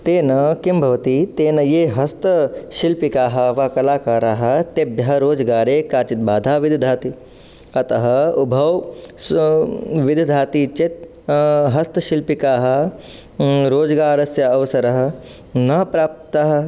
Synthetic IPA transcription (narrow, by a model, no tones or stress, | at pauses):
t̪eːnɐkimbʱɐʋɐt̪it̪eːnɐjeːɦɐst̪ɐʃilpikaːɦɐʋaːkɐlaːkaːɾaːɦɐ̆t̪ebjɐɦɐɾoːd͡ʒɡaːɾeːkaːt͡ʃit̪̚baːd̪ʱaːʋid̪ʱɐd̪ʱaːt̪i | ɐt̪ɐɦɐubʱɐw | ʋɪd̪ʱɐd̪ʱaːt̪it͡ʃet̪̚ | ɦɐst̪ɐʃilpikaːɦɐ̆ | ɾoːd͡ʒɡaːɾɐsjɐːʋsɐɾɐɦɐ̆ | nɐɦpɾaːp̚t̪aɦɐ̆